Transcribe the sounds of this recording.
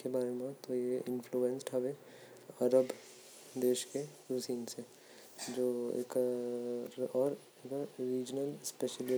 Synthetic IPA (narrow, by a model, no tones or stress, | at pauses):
kebaːɾemẽt̪ojeɪ̃nfʰluːɛnsʈɦɛʋe | ɐɾəb | d̪eːʃkeɾuːsiːnse | d͡ʒoːḛːk | ɾɔːɾ | ekːɾiːd͡ʒnəlspɛʃəlɪ